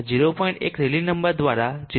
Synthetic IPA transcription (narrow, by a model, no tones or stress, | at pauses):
d͡ʑiɾopɔiɳʈḛkɾelinəmbəɾd̪ʋaɾad͡ʑi